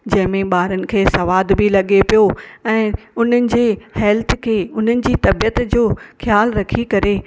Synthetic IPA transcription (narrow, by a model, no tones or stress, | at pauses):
d͡ʑɐ̃ɦɪ̃mẽɓaːɾənɪ̆kʰeːsɐʋaːd̪bɪlɐɠepijoɛ̃ː | ʊn̤ənɪ̆d͡ʑeːhɛːlt̪ʰkʰeːʊn̤ənɪ̆d͡ʑiːt̪ɐbijət̪d͡ʑoːxjaːlɾɐkʰikɐɾe